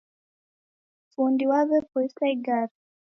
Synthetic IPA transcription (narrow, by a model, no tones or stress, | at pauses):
fundiwaβɛpɔisaiɡaɾ